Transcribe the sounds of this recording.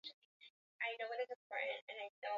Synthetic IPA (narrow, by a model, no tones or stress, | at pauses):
ʔaɪnoʊwʌɾɨzɨ̃mp̚ʰɔ̰ɹʔn̩t̚ɨ̃naɪθɛ